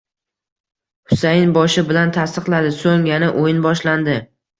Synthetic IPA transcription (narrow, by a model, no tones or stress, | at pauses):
hʊsajɪnbɒʃɪbɪlant̪ʰast̪ɨqlˠad̪ɪsoŋjanaʔojɪnbɒʃland̪ɪ